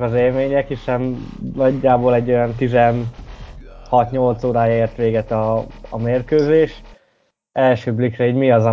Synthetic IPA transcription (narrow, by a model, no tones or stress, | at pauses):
kɒzeːlmeːɲɛkiʃɛmnɒɟːaːboːlɛɟːo̞jɒnt̪izɛn | hɒt̪ɲolt̪soːɾaːjeːrt̪ʋeːɡɛt̪ɒːmeːrkøːzeːʃ | ɛlʃøːblikrɛiːɟmiɒzɒ